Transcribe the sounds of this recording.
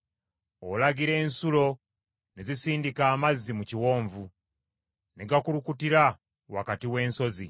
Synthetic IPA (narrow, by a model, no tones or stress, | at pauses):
olaɡiɾe̞ːnsulo̞ | ne̞zisiːndikaːmazːimuciwo̞ːɱvu | neɡakulukutiɾa | wakatiwe̞ːnso̞zi